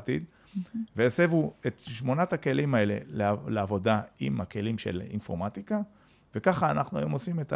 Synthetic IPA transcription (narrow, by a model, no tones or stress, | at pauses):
t̪ḭd̪ | vejasevuet̪ʃmo̞nat̪ake̞limae̞le̞̰lealeavo̞daimake̞limʃe̞̰lḭnfo̞ʁmat̪ika | ve̞kaχaːnaχnua̰jo̞mosimet̪a